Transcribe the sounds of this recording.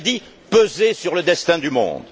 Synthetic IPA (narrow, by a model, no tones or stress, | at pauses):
d̪i | pøzesyʁləd̪ɛst̪ɛ̃d̪ymɔ̰̃d̪